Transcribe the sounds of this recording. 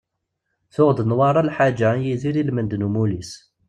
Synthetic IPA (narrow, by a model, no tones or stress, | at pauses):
θʊʁd̪ənwɑɾˤɑlħad͡ʒajiziɾilmənd̪numulis